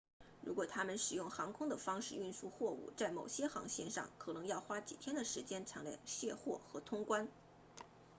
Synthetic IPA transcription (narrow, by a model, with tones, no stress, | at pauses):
ɻṵ˧˥kwɔ˨˩t̪ʰa˥mə˨nʂɻ̩˨˩jʊ˥˩ŋxɑ˧˥ŋkʰʊ˥ŋd̪ə˨fɑ˥ŋʂɻ̩˥˧y˥˧nsu˥˧xwɔ˥˧ṵ˥˩t͡sa˥˩ɪmo˨˩ʊɕjɛ˥xɑ̰˧˥ŋɕjɛ˥˧nʂɑ̰˥˩ŋkʰɤ˨˩nɤ˧˥ŋjɑ˥˩ʊxwa˥t͡ɕi˨˩t̪ʰjɛ˥nd̪ə˨ʂɻ̩˧˥t͡ɕjɛ˥nʈ͡ʂʰɑ˧˥ŋljɑ̰˨˩ɕjɛ˥˧xwɔ̰˥˩xɤ˧˥t̪ʰʊ˥ŋkwa˥n